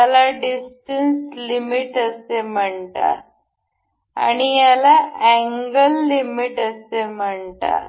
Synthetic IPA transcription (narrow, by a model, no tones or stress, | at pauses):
alaɖisʈənslimiʈəsem̤əɳt̪a̰ | a̰ɽ̃ijalaʔæ̃ŋɡəlːimiʈəsem̤əɳt̪a̰